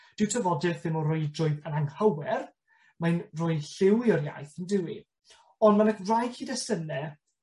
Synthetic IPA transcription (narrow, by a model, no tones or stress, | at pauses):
d̥ɪwtʰəvɔdɪrθɪmɔrʊjdrʊjðənaŋhawɛr | manrʊːjɬɪwiɔrja̰jθəndɪwi | ɔndmanəkrajkʰiːdɛsənɛ